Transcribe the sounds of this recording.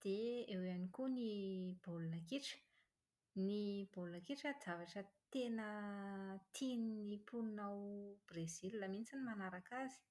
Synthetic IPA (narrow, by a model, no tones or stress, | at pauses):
d̪̥eewanikunib̥olunakiʈ͡ʂə̥ | nibolunakiʈ͡ʂəzavaʈ͡ʂət̪enə | t̪ʰininipulunawb̥rez̥ilːamint͡sinimanaɾakazi̥